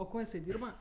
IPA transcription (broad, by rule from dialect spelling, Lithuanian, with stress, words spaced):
oː ˈkoː jɪˈsɐɪ ˈdʲiːrbɐ